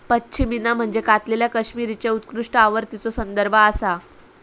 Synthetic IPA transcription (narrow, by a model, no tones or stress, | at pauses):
pətːɕʰiminam̤əɳd͡zekat̪leljakəɕmiɾit͡ɕeut̪kɾuʂʈəaʋəɾt̪it͡sosənd̪əɾbʱəasa